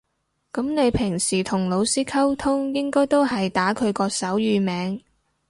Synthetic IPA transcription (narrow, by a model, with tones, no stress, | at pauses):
kɐ˨˥mne˨˧jpʰɪ˨˩ŋsiː˨˩t̪ʰʊ˨˩ŋlo˨˧wsiː˥kʰɐ˥wt̪ʰʊ˥ŋjɪ˥ŋkɔː˥jt̪o˥whɐ˨jt̪aː˨˥kʰɵ˨˧ɥkɔː˧sɐ˨˥wjyː˨˧mɛː˨˧ŋ